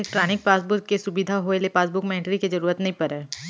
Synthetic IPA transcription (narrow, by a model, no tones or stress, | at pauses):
kʈɾaːnɪk̚paːsbʊɾkːesʊbid̪ʱaɦoelepaːsbʊkmɛ̃ːɳʈɾikizɐɾuːɾət̪nɐɦĩpɐɾɛː